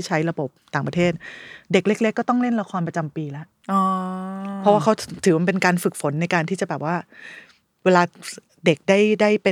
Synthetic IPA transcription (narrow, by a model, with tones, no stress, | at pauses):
i˥˩t͡ɕʰa˦˥jɾa˧bo˨˩p̚t̪aː˨˩ŋpɾa˧t̪ʰeː˥˩t̪̚de˨˩k̚le˦˥k̚le˦˥kːɔː˥˩t̪ɔ˥˩ŋle˥˩nɾa˧kʰɔː˧npɾa˧t͡ɕa˧mpiː˧lɛ˦˥ʔ | ɔ˧pʰɔ˦˥waː˥˩kʰa˦˥t̪ʰɯː˩˦ma˧˩pe˧nkaː˧nfɯ˨˩k̚fo˩˦nːa˧jkaː˧nt̪ʰiː˥˩t͡ɕa˨˩bɛː˨˩p̚waː˥˩ | weː˧laː˧ | de˨˩k̚daː˥˩jdaː˥˩jpe˧